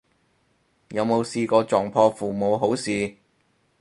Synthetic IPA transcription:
jɐ˨˧wmo˨˧wsiː˧kɔː˧t͡sɔː˨ŋpʰɔː˧fuː˨mo˨˧wɦo˨˥wsiː˨

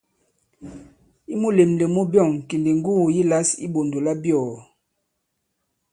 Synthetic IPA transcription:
i˦mu˦˨le˨mle˨mu˦bjɔ˦˨ŋ̩˨ki˨li˨ŋ˦ɡu˦˨ji˦la˦sḭ˦bo˨ndo˨la˦bjɔ˨

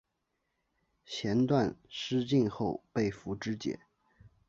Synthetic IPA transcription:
t͡ɕʰjɛ˧˥nt̪wa˥˧nʂɻ̩˥t͡ɕi˥˧nxo˥˧ʊpe˥˩ɪfu˧˥ʈ͡ʂɻ̩˥t͡ɕjɛ̰˨˩˦

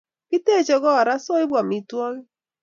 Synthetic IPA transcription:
pi˦te˦˨d͡ʒɔ˨ɡɔ˦a˨ɾa˦so˦i˦bwa˨mi˨twɔ˦ɣɪ˦

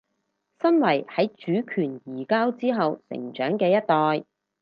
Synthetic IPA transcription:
sɐ˥nwɐ˨˩jhɐ˨˥jt͡ʃyː˨˥kʰyː˨˩njiː˨˩kaː˥wt͡siː˥ɦɐ˨wsɪ̰˨˩ŋt͡ʃœː˨˥ŋkɛː˧jɐ˥t̚t̪ɔː˨j

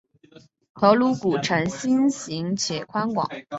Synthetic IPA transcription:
kʰɤ˧˥ʊlu˧˥ku˨˩ʈ͡ʂʰa˧˥nɕi˥nɕi˧˥ŋt͡ɕʰjɛ˨˩kʰwa˥nkwɑ̰˨˩˦ŋ

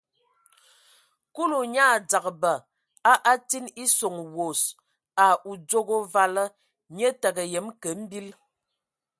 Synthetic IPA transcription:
ku˦lu˨ɲaː˦˨d͡za˨kbə˨ | a˦ʔa˦ti˦ni˦so˨ŋwo˨s | a˨u˨d͡zo˦ɡo˦va˦lə˦ | ɲə˦tə˨ɡə˨jə˨˦mkə˨˦m̩˦bi˦l

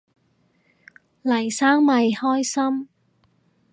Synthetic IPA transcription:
lɐ˨˩jsaː˥ŋmɐ˨jhɔː˥jsɐ˥m

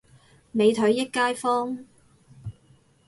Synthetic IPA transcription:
me˨˧jt̪ʰɵ˨˥ɥːɪ˥kːaː˥jfɔː˥ŋ

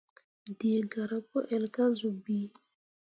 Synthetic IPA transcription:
di˨ɡa˨ɾa˨po˦ʔɛ˨lka˦zu˨bi˦

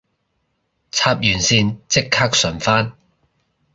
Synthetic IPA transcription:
t͡sʰaː˧p̚jyː˨˩nsiː˧nt͡sɪ˥kʰːaː˥k̚sɵ˨˩nfaː˥n

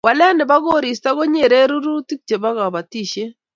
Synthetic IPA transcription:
wa˨la˦nɪ˨βa˦ɣo˦ɾi˨s̬ta˦ɣo˦ɲe˨ɾe˦ɾu˦ɾu˦ti˦k̚t͡ʃe˨βa˦ɣa˨βa˨ti˦˨ʃe˦

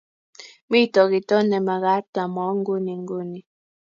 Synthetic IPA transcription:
mi˦˨tɔ˨ki˨tɔ˦nɛ˨ma˨ɣa˨˦ta˨mɔ˨˦ŋ˦ɡu˦ni˨ŋɡu˦ni˨

